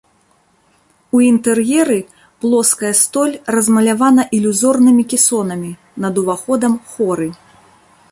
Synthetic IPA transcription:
uint̪ɛrjɛɾɨ | plˠɔskɐjɐst̪ɔlʲrɐzmɐlʲavanɐʔilʲuzɔrnɨmʲikʲisɔnɐmʲi | nɐd̪uvaxɔd̪ɐmxɔɾɨ

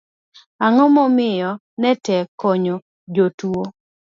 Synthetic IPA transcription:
aŋɔmɔmɪjɔ | nɛtɛkɔɲo | d͡ʒotuwo

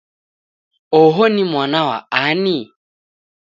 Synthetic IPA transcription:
ɔɦonimwanawa̰ani

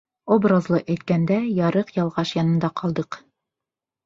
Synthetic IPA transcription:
obrazlˠɤʔæjt̪̚kænd̪æjɑɾɤqjɑlˠʁɑʃjɑnɤ̆nd̪ɑqɑlˠd̪ɤq

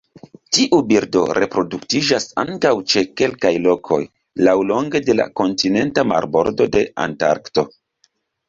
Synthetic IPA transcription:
tiʔubiɾdo̞̰ɾʔe̞pɾo̞duktid͡ʒasa̰ŋkawt͡ʃe̞ke̞lkajlo̞kʰo̞j | lawlo̞ŋɡe̞de̞la̰ko̞ntine̞ntama̰ɾbo̞̰ɾdo̞de̞a̰nta̰ɾkto̞

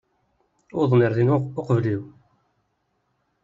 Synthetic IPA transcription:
oðˤniɾðinʊqvliw

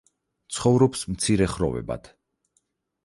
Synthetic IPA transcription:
t̪sʰχɔvɾɔpsmt̪sʰiɾɛχɾɔ̰vɛ̰ba̰t̪ʰ

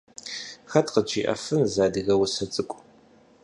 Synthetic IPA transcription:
xɐtqəd͡ʒiːʔɐ̰fɨnzaːdɨɣɐwʊsɐt͡sʼɨkʷʼ

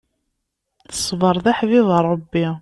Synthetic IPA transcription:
θə̥sˤvəɾˤðaħvɪðˤərˤəbːi

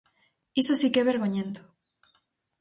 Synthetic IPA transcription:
isosikeβe̞ɾɣoɲẽnt̪o

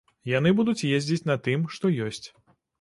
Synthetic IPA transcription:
jan̪ɨbud̪ut͡sʲjezʲd͡zʲit͡sʲnɐt̪ɨmʂt̪ɔjɔsʲt͡sʲ

